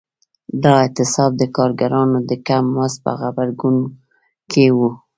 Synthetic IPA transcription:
d̪ɑɪt̪ɪsɑb̚d̪əkɑɾɡaɾɑnod̪əkamːaspə̰xabaɾɡun | kʰewu

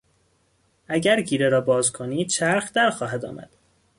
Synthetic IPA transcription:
ʔæɟæɾɟiːɾeɾɒːbɒːzkʰoniːd̪̥t͡ʃʰæɾxd̪æɾxɒːɦæd̪ɒ̰ːmʔæ̰d̪̥

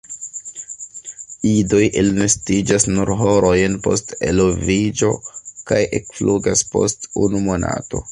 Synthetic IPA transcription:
ido̞jʔelnestid͡ʒasnuɾɦo̞ɾo̞jnpo̞ste̞̰lovid͡ʒo̞kajʔekfluɡaspo̞̰stunumo̞na̰to̞

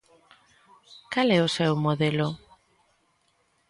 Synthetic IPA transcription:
kalɛʊsɛwmoðelʊ

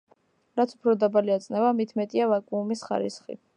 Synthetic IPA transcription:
ɾat̪sʰupʰɾɔd̪abaliat̪sʼnɛvamit̪ʰmɛt̪ʼiavakʼuːmisχa̰ɾḭsχḭ

